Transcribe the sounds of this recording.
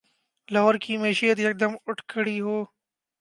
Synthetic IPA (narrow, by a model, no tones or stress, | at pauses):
lɔːɾkimɛːʃijət̪jɐk̚d̪əmʊʈʰkəɽiɦoː